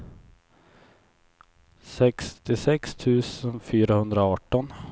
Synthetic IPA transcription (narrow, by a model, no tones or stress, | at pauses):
sɛkst̪ʰɪsɛkst̪ʰʉ̟ːsənfyːɾahɵnd̪ɾaɑːʈːɔn